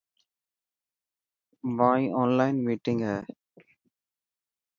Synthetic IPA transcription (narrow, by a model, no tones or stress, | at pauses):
ʋãːɔ̃ːnlaɪnmiːʈɪ̃ŋɡɛː